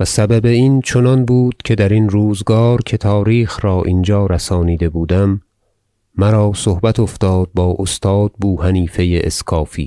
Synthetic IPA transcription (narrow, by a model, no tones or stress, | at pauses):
væsæbæbe̞iːnt͡ʃʰo̞nɒnbuːd̪̥̚cʰe̞d̪æɾinɾuːzɡɒːɾcʰe̞t̪ʰɒːɾiːxɾɒːʔind͡ʒɒːɾæsɒːniːd̪e̞buːd̪æmː | æɾɒːsohbæt̪ʰoft̪ɒːd̪̚bɒːʔost̪ʰɒːd̪̥̚buːhæniːfe̞jeʔḛskʰɒːfḭː